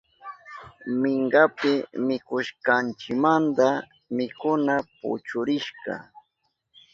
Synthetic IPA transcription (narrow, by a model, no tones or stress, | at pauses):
mɪɴɢapɪmɪkʊʃkant͡ʃɪkmant̪a | mɪkʊnapʊ̰t͡ʃʊɾɪʃɢɑ̰